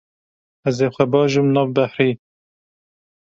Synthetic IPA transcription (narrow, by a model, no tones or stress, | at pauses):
æzeːxʷɛbɑːʒɨmnɑːvbæħɾiː